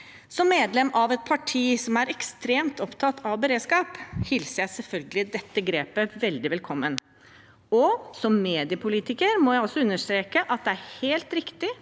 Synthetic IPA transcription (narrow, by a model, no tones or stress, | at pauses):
sɔmːeːd̪lɛmʔɑʋɛt̪̚pʰɑʈʰiːsɔmæɾɛkst̪ɾeːmt̪ɔpt̪ʰɑt̪ʰːɑʋbəɾeːd̪skɑːphɪlsəɾjæɪsɛlfœlɡəlɪd̪ɛt̪ːəɡɾeːpəʋɛld̪ɪʋɛlkʰɔmːən | ɔsɔmːeːd̪ɪəpʰʊliːt̪ɪkəɾmɔjæɪɔsːɔʉnːəʂt̪ɾeːkəʔɑt̪̚d̪ɛæɾheːlt̪ɾɪkt̪ɪ